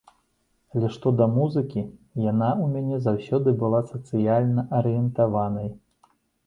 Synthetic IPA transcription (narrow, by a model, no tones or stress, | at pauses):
alʲɛʂt̪ɔd̪ɐmuzɨkʲijanaumʲanʲɛzawsʲɔd̪ɨbɨlˠasɐt̪sɨjalʲnɐʔɐɾɨjɛnt̪avanɐj